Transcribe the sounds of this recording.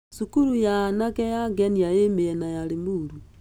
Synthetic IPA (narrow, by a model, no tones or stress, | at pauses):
ʃukuɾujanakɛjaɡɛniajemeɛnajaɾemuɾu